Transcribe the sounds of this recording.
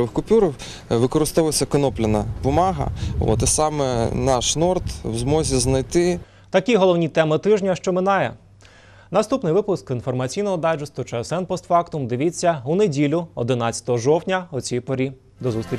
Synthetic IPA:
ʋɪxkʊpʲuɾɔw | ʋɪkɔɾɪst̪ɔʋɔsʲɐkɔnɔplʲɪnɐbʊmɑɦɐ̰ɔ̰t̪ɪsɑmɛnɑʃnɔrt̪wzmɔzʲiznɐjt̪ɪ | t̪ɐkʲiɦɔlˠɔwnʲit̪ɛmɪt̪ɪʒnʲɐʃt͡ʃɔmɪnɑjɛ̰ | nɐst̪upnɪjʋɪpʊskinfɔrmɐt͡sʲijnɔɦɔd̪ɑd͡ʒɪst̪ʊt͡ʃɛɛsɛnpɔst̪fɑkt̪ʊmd̪ɪʋʲit͡sʲːɐunedʲilʲʊɔd̪ɪnɑt͡sʲːɐ̥t̪ɔɦɔʒɔwtʲnʲɐɔt͡sʲijpɔɾʲi | d̪ɔzust̪ɾʲi

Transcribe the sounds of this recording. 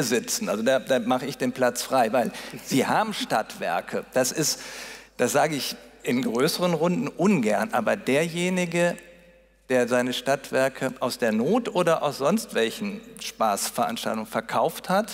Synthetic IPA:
əzɪt͡sn̩ʔalzodaːd̥aːmaχəɪçd̥eːnpl̥at͡sfʁ̥aɪvaɪlz̥iːhaːbm̩ʃtatv̥ɛ̰ɐkʰəd̥asɪstd̥asz̥aːɡəɪçʔɪnɡʁøːsəʁ̞ənʁʊndn̩ʔʊnɡɛɐnʔaːbɐdeːɐjeːnɪɡə | d̥eːɐzaɪnəʃtatv̥ɛɐkʰəʔaʊsd̥eːɐnoːtʔoːdɐʔa̰ʊsz̥ɔnstv̥ɛlçn̩ʃpaːsfɛɐʔa̰nʃta̰ltʊŋnfɛɐkʰaʊfthat

